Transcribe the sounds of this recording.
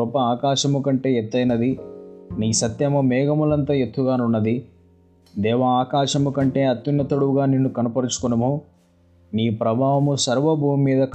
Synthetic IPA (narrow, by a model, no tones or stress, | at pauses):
ɔpɐaːkaːʃɐmukɐɳʈe̞ːɛt̪ːɐjnɐd̪iniːsɐt̪jɐmɐmɛːɡɐmulɐnt̪aːjet̪ːuɡaːnunːɐd̪i | d̪ɛːʋɐaːkaːʃɐmukɐɳʈe̞ːɐt̪junːɐt̪ɐɽuɡaːninːukɐnɐpɐɾut͡ʃu̥kunɐmu | niːpɾɐbʱaːʋɐmusɐɾʋɐbʱuːmːiːd̪ɐk